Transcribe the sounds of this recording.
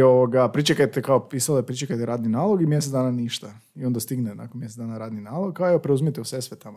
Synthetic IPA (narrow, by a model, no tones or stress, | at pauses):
oʋoɡapɾit͡ʃekajt̪ekaopisalepɾit͡ʃekajt̪eɾaːd̪ninaːlˠo̞ɡimjes̬et̪d̪aːnaniʃt̪a | io̞nd̪ast̪iɡnena̰konmjes̬et̪d̪aːnaɾaːd̪ninaːloɡ̚kːaoeopɾeuzmijet̪eusesʋet̪amo